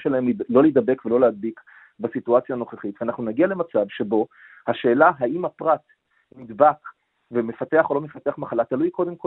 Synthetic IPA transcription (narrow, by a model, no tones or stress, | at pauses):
ʃelahemlo̞led̪abe̞kve̞lo̞lead̪̚bik | basituat͡sjano̞χeχit̪veanaχnunaɡiale̞mat͡savʃe̞bo̞ | haʃe̞ːlaɦaimhapʁat̪ | mid̪bak | veme̞fat̪e̞aχo̞lo̞me̞fat̪eaχmaχalat̪alujko̞d̪emko